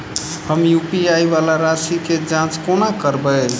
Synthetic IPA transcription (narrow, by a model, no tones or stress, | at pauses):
həmjupiajβalaɾasiked͡ʒãt͡ʃkonakəɾbə